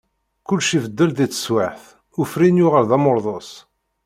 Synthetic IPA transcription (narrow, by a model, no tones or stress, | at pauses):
kʊlːʃivəd̪ːəlðit͡sːə̥swaħθ | ʊfɾinjʊʁəɾðæmʊɾˤðˤos